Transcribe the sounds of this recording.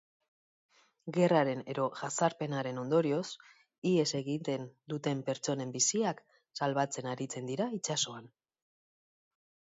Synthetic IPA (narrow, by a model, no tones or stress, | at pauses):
ɡe̞raɾe̞ne̞ðo̞ʝasaɾpe̞naɾe̞no̞nd̪o̞ɾio̞s | ie̞se̞ɣit̪e̞nd̪ut̪e̞mpe̞ɾt͡so̞ne̞mbisiak | salβat͡se̞naɾit͡se̞nd̪iɾait͡ʃaso̞an